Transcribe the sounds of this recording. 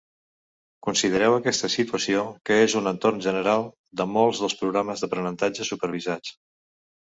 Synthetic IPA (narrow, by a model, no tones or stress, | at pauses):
kunsiðəɾɛwəkɛst̪əsit̪uəsiokəezunənt̪ornʒənəɾalˠ | d̪əmolˠzðəlˠspɾuɣɾaməzðəpɾənənt̪ad͡ʒəsupəɾβ̞izat͡s